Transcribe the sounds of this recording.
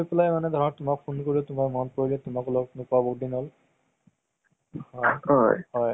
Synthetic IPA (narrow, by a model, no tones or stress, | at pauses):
iplajmanɛd̪ʱɔɹɔnɔt̪ʊmak̚pʰunkoɹiot̪ʊmaɹmɔnpoɹilɛt̪ʊmaklɔknukabokdinɔl | hɔjɦɔ̰jɦɔj